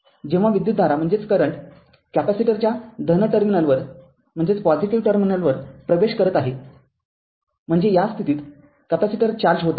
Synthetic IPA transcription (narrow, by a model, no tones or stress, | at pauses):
d͡ʑeʋ̤aʋid̪jut̪d̪ʱaɾam̤əɳd͡zet͡skəɾəɳʈ | kæpæsiʈəɾt͡ɕjad̪ʱənəʈəɾminəlʋəɾ | m̤əɳd͡zet͡spɔd͡ziʈiʋʈəɾminəlʋəɾpɾəʋeɕkəɾət̪aɦe | m̤əɳd͡zejast̪ʰit̪iːt̪ | kæpæsiʈəɾt͡ɕaɾd͡ʑɦot̪a